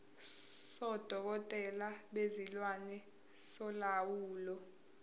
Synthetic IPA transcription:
sɔd̥ʱɔk̬ɔtʼɛlaɓezilwanɛ | sɔlawuːlɔ

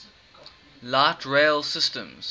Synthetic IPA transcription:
laɪtʰɹeɪlˠsɪstə̰̃mz̥

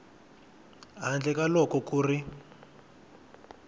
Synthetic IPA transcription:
ɦand͡ɮɛkalɔkɔkuːri

